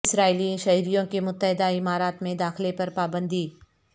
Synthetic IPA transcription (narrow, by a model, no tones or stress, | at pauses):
sɾaːiliẽʃɐɦiɾijõkemʊt̪ːəɦɪd̪aɪmaːɾaːt̪mẽd̪aːxlepɐɾpaːbə̃nd̪ʱiː